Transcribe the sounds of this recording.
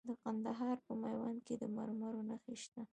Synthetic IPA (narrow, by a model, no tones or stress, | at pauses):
d̪əqand̪aɦɑɾpəmajwanked̪əma̰ɾmaɾonaxeʃt̪a